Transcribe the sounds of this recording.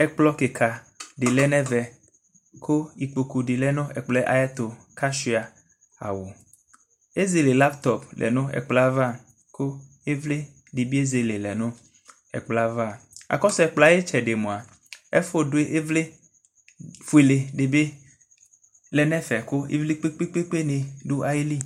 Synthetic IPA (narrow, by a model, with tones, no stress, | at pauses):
ɛ˦k͡plɔ˦ke˨kʰa˨ | ɖe˨lɛ˦nɛ̃˦vɛ˨ | ko˦i˨k͡po˨ku˨ɖi˨lɛ˦nõ˦ɛ˨k͡plɛ˦ʔa̰˨ja˦t̪o˨ka˦ʃi˦a˨ | a̰˨wo˨ | e˦ze˨le˨la˦pt̪ɔ˨plɛ̰˨nõ˦ɛ̰˨k͡pla˦va˦˨ | ko˦ | e˦vle˦ | ɖe˨bi˦e˦ze˨le˨lɛ˨nõ˦ | ɛ̰˨k͡pla˦va˦˨a̰˨kɔ˦sɛ˨k͡pla˨˦e˦t͡ʃɛ˨ɖe˨mõ˨a˨ | ɛ˦fo˦ɖo˦e˦ʔe˦vle˦ | fu˨e˨le˨ɖe˨be˦ | lɛ˨nɛ̃˦fɛ˨ko˦ḭ˦vle˦k͡pe˦k͡pe˦k͡pe˦k͡pe˦nẽ˨ɖu˦ʔa˦jli˦